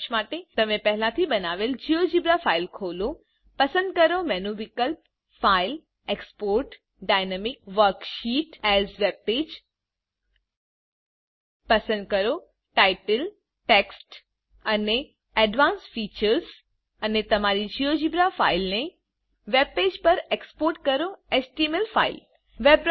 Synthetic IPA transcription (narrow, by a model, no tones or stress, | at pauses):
ʃmaːʈet̪ɐmẽpɛɦɪlãt̪ʰibɐnaːʋeld͡ʑijod͡ʑibɾafaːɪlkʰoːlo | pɐsə̃nd̪̚kəɾomɛːnuʋɪkəlp | faːɪl | ekspoːɾʈ | ɖaːɪnemɪk̚ʋəɾkʃiːʈɛzʋepeːd͡ʒ | pɐsə̃nd̪̚kɐɾo | ʈaːɪʈəl | ʈeːksʈ | ɐne | ɛɖʋãːnsfiːt͡ʃəɾz | ɐnet̪ɐmaːɾid͡ʒʱijod͡ʒibɾafaːɪlne | ʋeb̚peːd͡ʒpɐɾekspoːɾʈ̚kɐɾoesʈimelfʰa̰ːɪl | ʋebɾ